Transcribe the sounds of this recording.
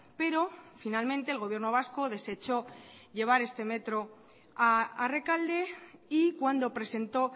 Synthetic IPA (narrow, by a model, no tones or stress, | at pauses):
pe̞ɾo̞finalmẽ̞nt̪eːlɣo̞β̞je̞ɾno̞β̞asko̞ð̞e̞se̞t͡ʃo̞ʎe̞β̞aɾe̞st̪e̞me̞t̪ɾo̞ | aare̞kald̪e̞ikwand̪o̞pɾe̞se̞nt̪o̞